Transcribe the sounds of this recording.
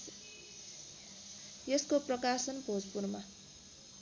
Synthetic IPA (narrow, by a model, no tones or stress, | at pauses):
jeskoprʌkasʌnbʱod͡zpurma